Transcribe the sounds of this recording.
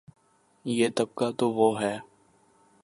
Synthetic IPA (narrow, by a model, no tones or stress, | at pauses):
jeːt̪ɐb̚kat̪oʋoɦɛː